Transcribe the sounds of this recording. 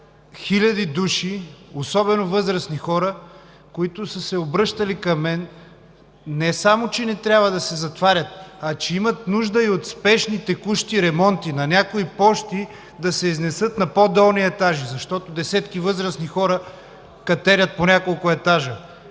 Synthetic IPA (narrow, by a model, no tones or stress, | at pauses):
xilʲɐd̪id̪uʃiosɔbɛnovɤzɾɐsnixɔɾə | koit̪ʊsəsɛobɾɤʃt̪ɐlikɐmːɛn | ɛsamot͡ʃɛnɛt̪ɾʲjabvəd̪ɐsɛzɐt̪vaɾʲɐt̪̚ɐt͡ʃɛimɐt̪̚nuʒd̪əiot̪spɛʃnit̪ɛkuʃt̪iɾɛmɔnt̪inɐnʲakoipɔʃt̪i | d̪ɐsɛiznɛsɤt̪nɐpod̪əlˠniɛt̪aʒizɐʃt̪ɔt̪od̪ɛsɛt̪kivɤzɾɐsnixɔɾə | kɐt̪ɛɾʲət̪̚ponʲakolˠkʊɛt̪aʒə